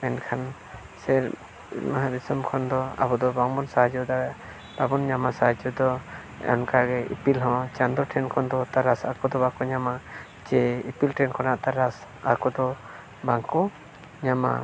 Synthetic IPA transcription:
ɛnkʰan | sɛɾ | maɦaɾisɔmkʰɔnd̪ɔa̰bɔd̪ɔbaŋbɔnsaɦad͡ʒɔd̪aɡa | b̥abɔnɲamasaɦad͡ʒɔd̪ɔ | ɛ̰ɔnkaɡɛḭpilɦɔ̃wat͡ʃand̪ɔɾʈʰɛnkʰɔnd̪ɔt̪aɾasa̰kɔd̪ɔbakɔɲama | d͡ʒɛipilʈʰɛnkʰɔnaʔt̪aɾas | a̰kɔd̪ɔ | baŋkɔ | ɲama̰

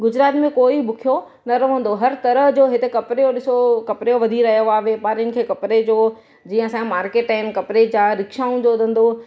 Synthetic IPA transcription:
ɡʊd͡ʑɾaːt̪mẽkoːiɓʊkʰijo | nɐɾɐʋə̃nd̪oɦɐɾt̪ɐɾəɦd͡ʑoːɦɪt̪ekɐpɾejoɗɪsokɐpɾejoʋɐd̪ʱiɾɐɦijoaːɦepaɾɪnɪ̆kʰeːkɐpɾed͡ʑoː | d͡ʑiːə̃ɐsãmaːɾkeːʈaːɪnkɐpɾed͡ʑaːɾɪkʃaːũd͡ʑoːd̪ʱə̃nd̪o

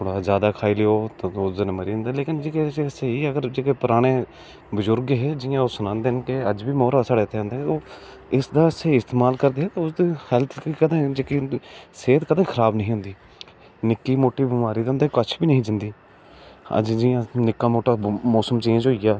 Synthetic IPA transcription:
t̪ʰoːɽaːzjaːd̪aːkʰaːiːleːoːt̪ːʊsd̪nməɾiːnd̪aːleːkɪnd͡ʒeːkeːseəseɦiːəɡəɾd͡ʒeːkeːpʊɾaːɽ̃eː | bʊzʊɾɡɦɛːd͡ʒɪjãːoːsʊnãːnd̪eːɦnkeəd͡ʒʋiːmɔːɾaːsaːɽeːt̪ʰeːə̃ːnd̪eɦɛoː | ɪsd̪aːəseːiːɪst̪eːmaːlkəɾd̪eːɦɛːt̪aːʊsd̪iːhɛlt̪ʰkiːkəd̪ãːd͡ʒeːkiːseːt̪kəd̪ãːkʰəɾaːbnəɦĩːɦʊ̃nd̪iː | nɪkːiːmoːʈiːbɪmaːɾiːd̪eɦʊnd̪eːkət͡ʃʰbiːnəɦĩːd͡ʒənd̪iː | ə̰d͡ʒd͡ʒɪjãːnɪkːaːmoːʈaːmɔːsəmt͡ʃĩːd͡ʒɦoːijaː

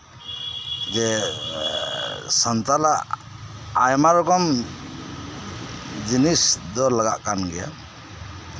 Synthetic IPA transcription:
d͡ʒɛ | sənt̪alaʔ | ajmaɾɔɡɔm | d͡ʒinisd̪ɔlaɡaʔkanɡɛja̰

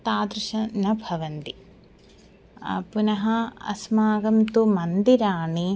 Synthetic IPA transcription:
t̪aːd̪ɾuʃɐnɐbʱɐʋɐnt̪i | punɐɦɐɐ̰smaːɡɐmt̪umɐnd̪iɾaːɳi

